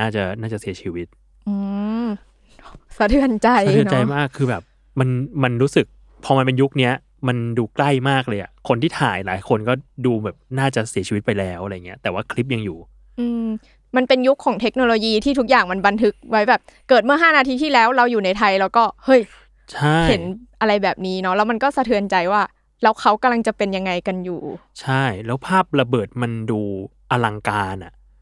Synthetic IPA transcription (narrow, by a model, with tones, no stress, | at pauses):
aː˥˩t͡ɕa˨˩naː˥˩t͡ɕa˨˩si˨˩˦ɐt͡ɕʰiː˧wi˦˥t̪̚ | ʔɯː˧ | sa˧˦t̪ʰɯ˧˦nt͡ɕa˧j̪ʰɯ˧˦nt͡ɕa˧jmaː˥˩kʰːɯː˧bɛː˨˩p̚ | ma˧nma˧nɾuː˦˥sɯ˨˩k̚ | pʰɔː˧ma˧npe˧nju˦˥k̚ni˦˥ɐ | ma˧nduː˧kla˥˩jmaː˥˩k̚lɤː˧jʔa˨˩kʰo˧nt̪ʰiː˥˩t̪ʰa̰ː˨˩˦jlaː˩˦jkʰo˧nkɔː˥˩duː˧bɛː˨˩p̚naː˥˩t͡ɕa˨˩si˩˦t͡ɕʰiː˧wi˦˥t̪̚pa˧jlɛː˦˥wʔɾa˧ja˨˩ŋːi˦ɐt̪ɛː˨˩waː˥˩kʰli˦˥p̚ja˧ŋjuː˨˩ | ʔɯː˧m | ma˧npe˧nju˦˥kʰːɔː˩˦ŋt̪ʰe˦˥k̚noː˧loː˧jiː˧t̪ʰiː˥˩t̪ʰu˦˥k̚jaː˨˩ŋma˧nba˧nt̪ʰɯ˦˥k̚wa˦˥jbɛː˨˩p̚kɤː˨˩t̪̚mɯ˥˩ɦaː˥˩naː˧t̪ʰiː˧t̪ʰiː˥˩lɛː˦˥wɾa˧wjuː˨˩na˧jt̪ʰa˧jlɛː˦˥wkɔː˥˩hɤ˦˥˩j | t͡ɕʰa˥˩he˩˦nʔa˧ɾa˧jbɛː˨˩p̚niː˦˥nɔ˦˥lɛː˦˥wma˧nkɔː˥˩sa˧t̪ʰɯ˧ənt͡ɕa˧jwaː˥˩ | lɛː˦˥wkʰa˦˥wka˧mla˧ŋt͡ɕa˨˩pe˧nja˧ŋːa˧jka˧njuː˨˩t͡ɕʰa˥˩jlɛː˦˥wpʰaː˥˩p̚ɾa˧bɤː˨˩t̪̚ma˧nduː˧ | ʔa˧la˧ŋkaː˧nʔa˨˩ʔ